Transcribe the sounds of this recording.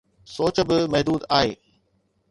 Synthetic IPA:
soːt͡ɕə̆bɪmɐɦd̪uːd̪aːɦḛː

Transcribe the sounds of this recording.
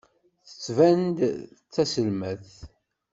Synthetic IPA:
θə̥t͡sːvænd̪t͡sːæsəlmæθ

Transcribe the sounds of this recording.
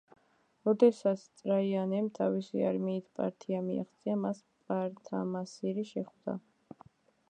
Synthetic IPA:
ɾɔd̪ɛsat̪sʰt̪sʼɾaianɛmt̪ʰavisḭa̰ɾmiːt̪ʰpʼa̰ɾt̪ʰiamia̰χt̪sʼiamas | pʼaɾt̪ʰa̰masiɾiʃɛχvd̪a̰

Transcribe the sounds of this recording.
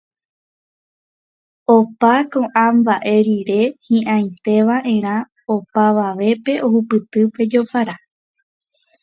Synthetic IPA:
opakõ̞ʔãmbaʔe̞ɾiɾe̞hĩʔãj̃t̪e̞ʋaʔẽ̞ɾ̃ã | opaʋaʋe̞pe̞o̞hupɨt̪ɨpe̞d͡ʒo̞paɾa

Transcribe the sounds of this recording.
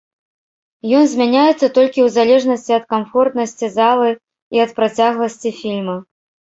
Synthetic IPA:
jɔnzʲmʲanʲajɛt̪sːɐt̪ɔlʲkʲiwzalʲɛʐnɐsʲt͡sʲiɐt̪̚kamfɔrt̪nɐsʲt͡sʲizalˠɨ | iɐt̪̚pɾat͡sʲaɣlˠɐsʲt͡sʲifʲilʲmɐ

